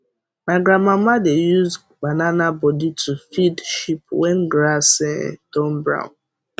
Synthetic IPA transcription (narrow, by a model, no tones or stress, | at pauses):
maɪɡɾãnmãmadejuz | bananabɔditʰufidʃipwɛ̃nɡɾasɛtɔ̃mbɹã̰ʊ̃n